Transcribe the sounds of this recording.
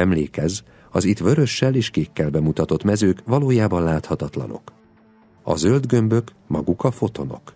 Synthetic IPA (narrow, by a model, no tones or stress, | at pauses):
ɛmleːkɛz | ɒzit̪ʋø̞ɾø̞ʃːɛleːʃkeːkːɛlbɛmut̪ɒt̪o̞t̪mɛzøːkʋɒloːjaːbɒnlaːt̪hɒt̪ɒt̪lɒ̰no̞̰k | ɒ̰zø̞ld̪ɡø̞mbø̞k | mɒɡukɒfo̞t̪o̞no̞̰k